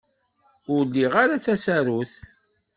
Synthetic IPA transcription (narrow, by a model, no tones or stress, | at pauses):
ʊɾlːiʁaɾaθæsæɾuθ